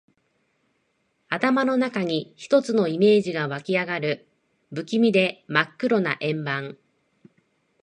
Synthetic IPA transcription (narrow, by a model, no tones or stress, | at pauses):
at̪amano̞nakaɲ̟içi̥t̪o̞t͡sɨno̞ime̞ːʑiɡaβakʲiaɡaɾɯ̟ | bɯ̟kʲimʲid̪e̞makːɯ̟ɾo̞na̰ʔẽ̞mbãŋ